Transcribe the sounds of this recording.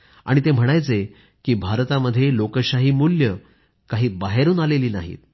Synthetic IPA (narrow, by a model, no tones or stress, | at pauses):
a̰ɽ̃it̪em̤əɽ̃ajt͡se | kiːbʱaɾt̪aməd̪ʱːjelokəɕaɦiːmuljə | kaɦiːbaɦeɾuːnaleliːna̰ɦḭːt̪̚